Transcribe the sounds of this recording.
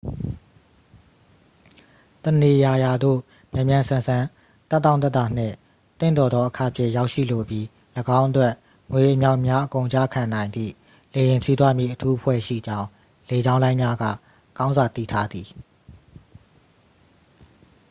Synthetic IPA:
t̪əne˨ja˨ja˨d̪o̰˦˨ | mjã˨mjã˨sã˨sã˨ | t̪ɛ˦t̪ːã˦ʊ̃t̪̬ɛ˦˨t̪a˨n̥ɪ̰̃˦˨ | t̪ɪ̰̃˦˨nd̪ɔ˨d̪ðɔ˦ʔəkʰa̰˦˨pʰjɪ̰̃˦˨ja˦ʊʔʃḭ˦˨lo˨bji˦ | ləɡã˦ʊ̃ʔətwɛ˦ʔ | ŋwe˨ʔə˨mja˦ʊʔmja˦ʔəkõ˨ʊ̃ɲt͡ɕa̰˦˨kʰã˨nã˨ɪ̃nd̪ðḭ˦˨ | le˨jɪ̃˨sʰi˦t̪wa˦˨mjḭ˦˨ʔətʰu˦ʔəpʰwɛ̰˦˨ʃḭ˦˨d͡ʑã˦ʊ̃ | le˨d͡ʑã˦ʊ̃lã˦ɪ̃mja˦ɡa̰˦˨ | kã˦ʊ̃nza˨t̪ḭ˦˨tʰa˦d̪i˨

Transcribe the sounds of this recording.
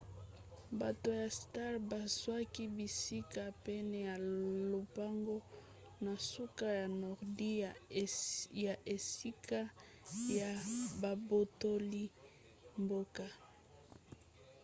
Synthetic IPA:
ba˨to˨ja˨sta˦ʁba˨zwa˦ki˦bi˨si˦ka˦pɛ˦nɛ˨ja˨lo˨pa˦ŋɡo˦ | na˨su˦ka˦ja˨nɔ˨ʁdi˦˨ | ja˨ʔe˨si˦kʰa˦ | ja˨ba˨bo˨to˦li˦ | mbo˦ka˦

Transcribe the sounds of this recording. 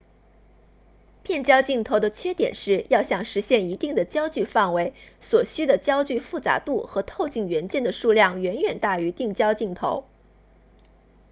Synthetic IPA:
pʰjɛ˥˩nt͡ɕjɑ˥ʊt͡ɕi˥˩ŋt̪ʰo˧˥d̪ə˧t͡ɕʰɥɛ˥t̪jɛ̰˨˩nʂɻ̩˥˩jɑ˥˩ʊɕjɑ˨˩ŋʂɻ̩˧˥ɕjɛ˥˩ni˧˥t̪i˥˩ŋd̪ə˩t͡ɕjɑ˥ʊt͡ɕy˥˧fɑ˥˩ŋwe˧˥ɪswɔ˨˩ɕy˥d̪ə˨t͡ɕjɑ˥ʊt͡ɕy˥˧fu˥˩t͡sa̰˧˥t̪u˥˩xɤ˧˥t̪ʰo˥˧ʊt͡ɕi˥˩ŋɥɛ˧˥nt͡ɕjɛ˥˩nd̪ə˩ʂu˥˧ljɑ˥˩ŋɥɛ˧˥nɥɛ˨˩nt̪a˥˩y˧˥t̪i˥˩ŋt͡ɕjɑ˥ʊt͡ɕi˥˩ŋt̪ʰo˧˥ʊ

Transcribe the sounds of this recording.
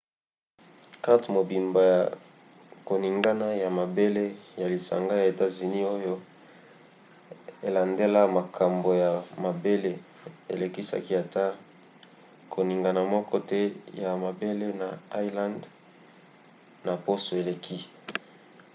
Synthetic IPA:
ka˦tmo˨bi˨mba˨ja̰˨ | ko˨ni˨ŋɡa˦na˦ja˨ma˨be˦le˦ja˨li˨sa̰˨ŋɡa˦ja˨e˨ta˦zy˨ni˦o˦jo˦ | e˨la˨nde˦la˦ma˨kʰa˨mbo˨ja˨ma˨be˦le˦ | ḛ˨le˨ki˦sa̰˦ki˦a˨ta˦ | kʰo˨ni˨ŋɡa˨na˨mɔ˦kɔ˦tɛ˦ja˨ma˨be˦le˦na˨a˦jla˦nd | na˨po˦so˨e˨le˨kʰi˦

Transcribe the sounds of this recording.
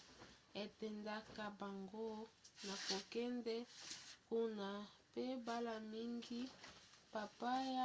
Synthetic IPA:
e˨tɛ˨nda˦ka˨ba˨ŋɡo˦na˨ko˨kɛ˦ndɛ˦ku˦na˨pe˦ba˦la˨mi˦ŋɡi˦pa˨pa˦ja˦

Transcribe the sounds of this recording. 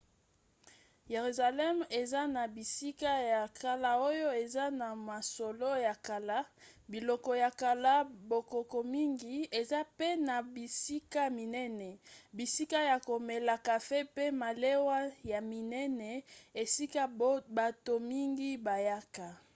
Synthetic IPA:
je˨ʁy˨za˨lɛ˦me˨za˦na˨bi˨si˦ka˦ja˨ka˨la˨o˦jo˦e˨za˦na˨ma˨so˨lo˦ja˨ka˨la˦bi˨lɔ˨kɔ˨ja˨ka˨la˦bo˨ko˨ko˨mi˦ŋɡi˦e˨za˦pe˦na˨bi˨si˦ka˦mi˨nɛ˦nɛ˨bi˨si˦ka˦ja˨ko˨mɛ˨la˨ka˨fe˦pe˦ma˨le˦wa˦ja˨mi˨nɛ˦nɛ˨e˨si˦ka˦ba˨to˨mi˦ŋɡi˦ba˨ja˦ka˨

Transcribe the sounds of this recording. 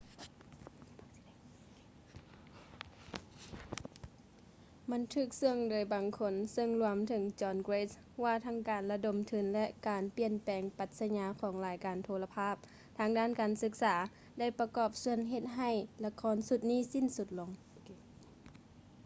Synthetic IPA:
ma˧˥nt̪ʰɯː˧˩k̚sɯ˧ŋdoː˨˦jbaː˨˩ŋkʰo˧˥nsɤ˧ŋlu˧əmt̪ʰɯ˨˦ŋt͡ɕɔː˧nɡɾeː˧˥t̪̚ | ʋaː˧˩t̪ʰa˧˥ŋkaː˨˩nla˧do˨mt̪ʰɯ˨˩˦nlɛ˧ʔkaː˨npi˨˧˩ənpɛː˨˩ŋpa˨˧˩t̪̚sa˧ɲaː˧˦kʰɔː˩˦ŋlaː˨˦jkaː˨˩nt̪ʰoː˧la˧pʰaː˥˩p̚ | t̪ʰaː˧˥ŋdaː˥˨nkaː˨˩nsɯ˧˥k̚saː˩˦ | da˥˩jpa˧kɔː˧˩p̚su˧ənɦe˧t̪̚ɦa˧˩jla˧kʰɔː˧˥nsu˧t̪̚niː˥˨si˧˥˨nsu˧t̪̚lo˨˦ŋ

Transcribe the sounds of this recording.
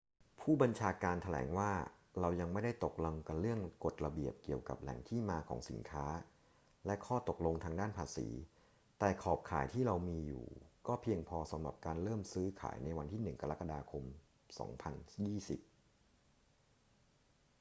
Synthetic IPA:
pʰuː˥˩ba˧nt͡ɕʰaː˧kaː˧nt̪ʰa˧lɛ̰ː˩˦ŋwaː˥˩ | ɾa˧wja˧ŋma˥˩jda˥˩jt̪o˨˩k̚la˧ŋka˧nlɯ˥˩əŋko˨˩t̪̚ɾa˧bi˨˩əp̚ki˨˩əwka̰˨˩p̚lɛ̰˩˦ŋt̪ʰiː˥˩maː˧kʰɔ̰ː˩˦ŋsḭ˩˦nkʰaː˦˥ | lɛ˦˥kʰɔː˥˩t̪o˨˩k̚lo˧ŋt̪ʰaː˧ŋdaː˥˩npʰaː˧sḭː˩˦ | t̪ɛː˨˩kʰɔː˨˩p̚kʰa̰ː˨˩˦jt̪ʰiː˥˩ɾa˧wmiː˧jṵː˨˩kɔː˥˩pʰi˧əŋpʰɔː˧sa˨˦mɾa̰˨˩p̚kaː˧nɾɤː˥˩msɯː˦˥kʰa̰ː˩˦jna˧jwa˧nt̪ʰiː˥˩nɯ˨˩ŋka˧ɾa˦˥ka˧daː˧kʰo˧m | sɔ̰ː˩˦ŋpʰa˧njiː˥˩si˨˩p̚

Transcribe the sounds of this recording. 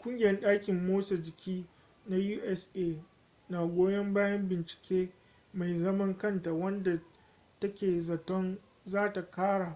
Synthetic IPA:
kʷʼʊ˦ŋɡʲɪ˨jɛ˦nɗaː˦kʲɪ˨mːoː˦sa˨d͡ʒɪ˨kʲiː˦ | na˦juː˦ʔɛ˦seː˦ | na˨ɡʷoː˦jɛ˦mbaː˦jɐ˦mbɪ˨nt͡ʃɪ̥˨kʲeː˦ | ma˨jzɐ˦mɐ˦ŋkɐ˦˨nta˨wɐ˦nda˨ | tɐ˦kʲeː˨zɐ˨tɔ˦n | zaː˦ta˨kaː˦ɽaː˨

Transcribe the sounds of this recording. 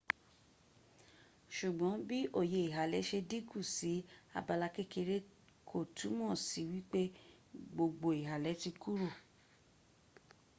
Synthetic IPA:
ʃu˨ɡ͡bɔ̃˨˦bi˦ʔo˦˨je˨i˨ɦa˨lɛ˨˦ʃe˧di˦ɡu˦˨si˨˦a̰˧ba˧la˧ke˦ke˧ɾe˦ | kʰo˦˨tʰu˨˦mɔ̃˦˨si˨˦wi˦k͡pe˦ | ɡ͡bo˧ɡ͡bo˨i˨ɦa˨lɛ˨˦ti˧ku˦ɾo˦˨

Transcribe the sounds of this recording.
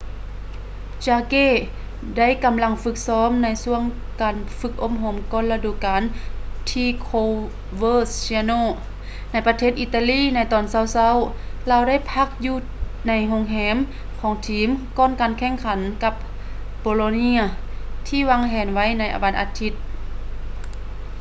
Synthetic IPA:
t͡ɕaː˧keː˧˥˨ | da˥˨jka˨mla˧ŋfɯ˧˥k̚sɔː˧˥mna˧˥jsu˧əŋkaː˨˩nfɯ˧˥k̚ʔo˧˥˩mɦo˧˩mkɔː˧˨nla˧duː˧˩˨kaː˨nt̪ʰiː˧kʰo˧ | wɤː˧˥ssi˧noː˧˨ | na˧˥˩jpa˧t̪ʰeː˧˩t̪̚ʔi˧t̪ːa˧liː˧˥˨na˧˥˩jt̪ɔː˨˩˨nsa˧˩˨wsa˧˥˨wlaː˧˨wda˥˨jpʰa˧˥k̚juː˧ | na˧˥jɦo˧˥ŋɦɛː˧˥m | kʰɔː˨˦ŋt̪ʰiː˨˦mkɔː˧˥˨nkaː˨nkʰɛː˧˥˨ŋkʰa˨˦nka˧p̚ | poː˨˧lo˧ni˧˥ɐ˨t̪ʰiː˧˨waː˧ŋɦɛː˨˩nʋa˧˥jna˧˩jʔa̰˨˩wa˧nʔa˧t̪ʰi˧˥t̪̚

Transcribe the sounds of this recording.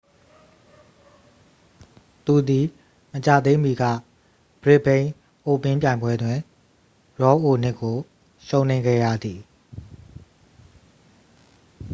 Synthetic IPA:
t̪u˨d̪i˨ | mət͡ɕa˨d̪ẽ˦mi˨ɡä̰˦˨ | b̥əɹɪ˦ʔbẽ˦ɪ̃ | ʔo˨pɪ̃˦mp̬jã˨ɪ̃mbwɛ˦dwɪ̃˨ | ɹɔ˨˦ʔo˨n̥ɪ˦˨kːo˨ | ʃõ˦ʊ̃n̥ẽ˦ɪ̃ɡɛ̰˦˨jä̰˦˨d̪i˨

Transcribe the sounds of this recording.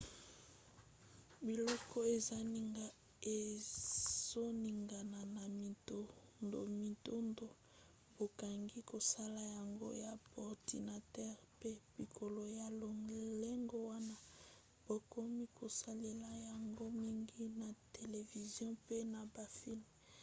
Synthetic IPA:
bi˨lɔ˦kɔ˦e˨za˦ni˨ŋɡa˨ | e˨ | z̥o˦ni˨ŋɡa˨na˨na˨mi˨to˦ndo̰˨mi˨to˦ndo˨ | b̥o˨ka˨ŋɡi˦ko˨sa˦la˨ja˨ŋɡo̰˦ja˨bɔ˨ʁdḭ˨na˨tɛ˦ʁpe˦b̥i˨kʰo˨lo˨ja˨lo˨le˦ŋɡo˦wa˦na˦ | b̥o˨ko˦mi˦kʰo˨sa˦le˨la˨ja˨ŋɡo˦mi˦ŋɡi˦na˨te˨le˨vi˨zjɔ̃˦pe˦na˨ba˨fi˦lm

